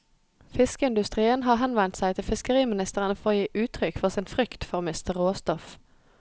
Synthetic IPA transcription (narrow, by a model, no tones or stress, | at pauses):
fɪskəɪnd̪ʉst̪ʁiːənɦɑːʁɦɛnʋɛnt̪sæɪt̪ʰɪlfɪskəʁiːmɪnɪst̪əʁənəfɔʁoːjiːʔʉːt̪ʰʁʏkfɔʁsɪnfʁʏkt̪fɔʁmɪst̪əʁoːst̪ɔf